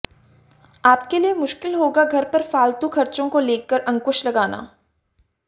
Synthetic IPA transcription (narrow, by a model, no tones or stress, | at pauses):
aːpkeliemʊʃkɪlɦoːɡaɡʱɐɾpɐɾfaːlt̪ukʰɐɾt͡ʃõkoleːkːəɾɐ̃ŋkʊʃlɐɡaːna̰ː